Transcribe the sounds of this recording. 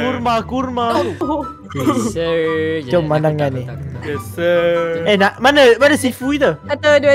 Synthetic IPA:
kurmãkurmã | d͡ʒɔmãndaŋãni | ɛnaʔmanəmanəsifuit̪əat̪əduə

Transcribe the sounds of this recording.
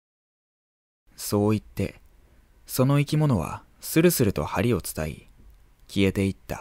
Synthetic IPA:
so̞ːit̪ːe̞̰ | so̞no̞ikʲimo̞no̞β̞a̰ | sɨɾɯ̟sɨɾɯ̟t̪o̞haɾʲio̞t͡sɨ̥t̪aḭ | kʲie̞t̪e̞it̪ːa̰

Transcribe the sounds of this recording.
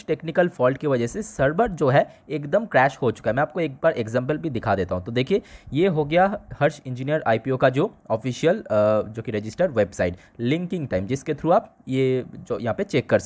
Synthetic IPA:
ʃʈeːknɪkəlfɔːlɖ̚kiʋɐd͡ʒɛsesɐɾbəɾd͡ʒoːɦɛ | eːkd̪əmkɾɛːʃhot͡ʃʊ̥kaɦɛmɛ̃aːp̚koeːk̚baːɾʔeɡzɛ̃ːmp̬əlbʱid̪ɪkʰad̪eːt̪aɦũt̪od̪eːkʰiejeɦoɡɐjahɐɾʃɪ̃ɲd͡ʒinijəɾaːipiokad͡ʒoːɔːfiːʃijəld͡ʒoːkiɾed͡ʒɪsʈəɾʋeːbsaːɪʈ | lɪ̃ŋkɪ̃ŋɡʈaːɪmd͡ʒɪsket̪ʰɾũaːp | jed͡ʒoːjɐɦãːpet͡ʃeːkːɐɾs

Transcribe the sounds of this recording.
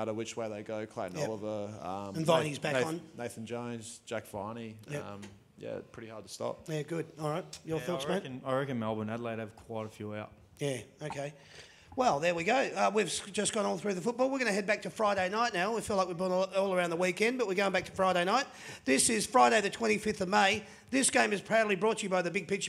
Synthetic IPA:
aɾəwɨt͡ʃweɪðeɪɡoʊkʰl̥æ̰̃njælˠəvə˞ʌ̰̃mɨ̃nvãɪ̃nizbækn̩neɪθn̩d͡ʒõʊ̃nzd͡ʒækfa̰nij̃m | jæ̰pʰɹ̥ɪɾihɑɹd̚tʰə̥stɑ̰p̚jæɡʊd̥̚ɔlˠɹaɪt̚jəθɔsɛ̃nəɹɪkɨ̃nmælˠbə̃mædˡleɪɾɨv̥kʰw̥aɪɾɨfjʉaʊt̚ | jæoʊkʰeɪ | wɛlˠðə˞wiɡoʊʌwiv̥sd͡ʒʌsɡ̥ɔ̃ñɔlˠθɹʉðəfʊt̚b̥ɔlˠwəɹɡʌñɨɦɛd̚bæk̚tʰɨfɹaɪɾeɪnaɪtⁿnaʊwifilaɪk̚wibɔnɔlˠə˞ãʊ̃nðəwikɛ̃nbʌt̚wiɹɡoʊɪ̃nbæk̚tʰə̥fɹaɪɾeɪnaɪt̪̚ðɪsɪz̥fɹaɪɾeɪðɨtʰw̥ɛ̃ɾ̃ifɪfθʌvmeɪ | ðɪsɡ̥ẽɪ̃mɨz̥pʰæɹnlˠibɹɔt͡ʃɨbaɪðɨbɪɡ̚pɪt͡ʃ

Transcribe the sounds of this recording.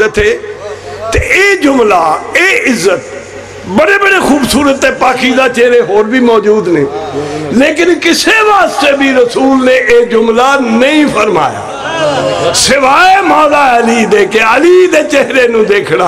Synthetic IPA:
ət̪ʰeː | t̪eeːd͡ʒʊmlaːeːɪzːət̪̚ | bəɽeːbəɽeːxuːbsuːɾət̪ːeːpaːkiːd̪aːt͡ʃeːɦɾeːɦoːɾbʱiːmɔːd͡ʒuːd̪neːleːkɪnkɪseːʋaːst̪eːbʱiːɾəsuːlneːʔeːd͡ʒʊmlaːnəĩːpʰəɾma̰ːja̰ː | sɪʋaːemãːlaːəliːd̪eːkeːəliːd̪eːt͡ʃeɦɾeːnũːd̪eːkʰɽaː

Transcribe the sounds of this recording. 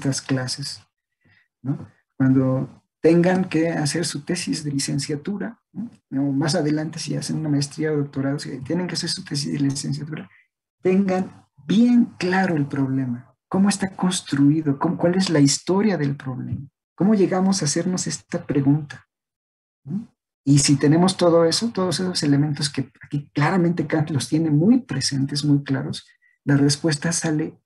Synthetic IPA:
t̪asklases | no̞ | kwand̪o̞ | t̪e̞ŋɡaŋke̞ase̞ɾsut̪e̞sizðe̞lise̞nsjat̪uɾanoomas̬aðe̞lant̪e̞sia̰se̞nunamaest̪ɾiaðo̞k̚t̪o̞ɾaðosit̪je̞ne̞ŋkease̞ɾsut̪e̞s̬izðelise̞nsjat̪uɾa | t̪e̞ŋɡan | bje̞ŋklaɾo̞e̞lpɾo̞β̞le̞ma | ko̞moest̪ako̞nst̪ɾuiðo̞komokwale̞zlaist̪o̞ɾjaðe̞lpɾo̞βle̞̰ma | ko̞mo̞ʝe̞ɣamo̞sase̞ɾno̞se̞st̪apɾe̞ɣunt̪ḁ | no | isit̪e̞nẽ̞mo̞st̪o̞ð̞o̞e̞so̞t̪o̞ðosesose̞lement̪o̞ske̞akiklaɾamẽnt̪e̞kanlo̞st̪je̞ne̞mujpɾese̞nt̪e̞smujklaɾo̞s | lare̞spwe̞st̪asale̞

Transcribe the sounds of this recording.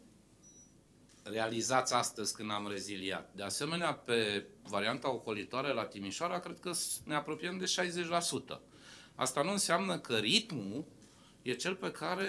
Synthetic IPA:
re̞alizat̪sʲast̪əzʲkɨnd̪amre̞zilia̰t̪̚d̪e̞ase̞me̞neape̞vaɾiant̪ao̞ko̞lit̪oaɾelat̪imiʃoaɾakɾe̞d̪̚kəneapɾo̞pijəmd̪e̞ʃajzet͡ʃʲlasut̪ə̰ | a̰st̪anuɨnseamnəkʰəɾit̪mu | je̞t͡ʃe̞lpe̞kʰaɾe̞

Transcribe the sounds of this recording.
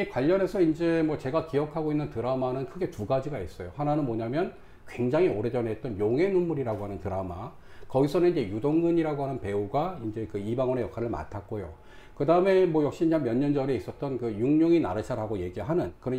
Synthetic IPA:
ikwaʎːʌne̞sʰʌind͡ʑe̞mwʌt͡ɕe̞ɡakijʌkʰaɡoinːɯntɯɾamanɯnkʰɯɡe̞tuɡad͡ʑiɡais͈ʌjohananɯnmoɲamjʌn | kwe̞ŋd͡ʑaŋɦioɾe̞d͡ʑʌnɦet͈̚ʌnjoŋɦe̞numːuɾiɾaɡoɦanɯntɯɾama̰ | kʌɡisʰʌnɯniɲd͡ʑe̞judoŋɡɯɲiɾaɡoɦanɯnpe̞uɡaind͡ʑe̞kɯibaŋʌne̞jʌkʰaɾɯɭma̰tʰak̚k͈ojo̰ | kɯdaɯme̞mwʌjʌk̚ɕ͈iamjʌɲːʌnd͡ʑʌɾe̞is͈ʌt̚t͈ʌnkɯjuŋɲoŋina̰ɾɯt͡ɕʰaɾɦaɡoje̞ɡiɭɦanɯnkɯnʌ

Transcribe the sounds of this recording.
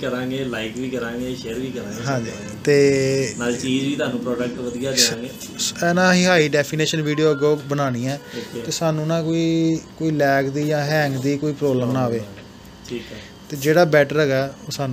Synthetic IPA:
kəɾãːŋɡeːlaːɪkʋiːkəɾãːŋɡeːʃeːɾʋiːkəɾãːɡɦãːɲd͡ʒiː | t̪eːnaːlt͡ʃiːd͡ʒiːt̪ʊaːnũːpɾɔːɖək̚ʈʋəd̪ijaːkəɾãːŋɡeː | ɛːnãːɦiːɦaːiːɖɛːpʰiːneːʃənʋiːɖijoːəɡoːbənaːnĩːɛːit̪eːsaːnũːnãːkoːiːkoːiːlɛːkd̪iːd͡ʒãːɦɛ̃ːŋɡd̪iːkoːiːpɾoːbləmnaːʋeː | ʈʰiːk | t̪eːd͡ʒeːɽaːbɛːʈəɾɦɛːɡaːoːsaːnũː

